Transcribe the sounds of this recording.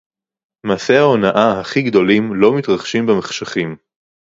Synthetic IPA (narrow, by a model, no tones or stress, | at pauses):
maːse̞hao̞naʔaɦaχiɡd̪o̞limlo̞mit̪ʁaχʃimbemeχʃaχim